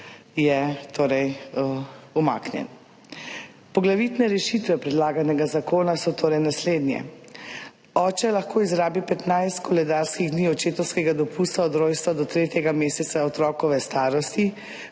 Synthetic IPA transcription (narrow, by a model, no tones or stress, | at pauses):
jɛt̪oːɾɛj | uma̰ːknjɛ̰n | pɔɡlaʋit̪nɛɾɛʃit̪ʋɛpɾɛd̪laːɡanɛɡazakoːnasɔt̪oːɾɛjnasleːd̪njɛ̰ | ɔːt͡ʃɛlaxkʰoːizɾaːbipɛt̪najst̪kɔlɛd̪aɾskiɣd̪niːɔt͡ʃeːt̪ɔwskɛɡad̪ɔpust̪aɔd̪ɾoːjst̪ʋad̪ɔt̪ɾeːt̪jɛɡameːsɛt̪saɔt̪ɾɔːkɔʋɛst̪aːɾɔst̪i